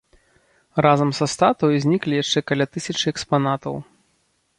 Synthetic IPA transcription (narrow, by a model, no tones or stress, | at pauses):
razɐmsɐst̪at̪ɔjuzʲnʲiklʲijaʂt͡ʂɛkalʲat̪ɨsʲɐt͡ʂɨɛkspanat̪ɐ̰w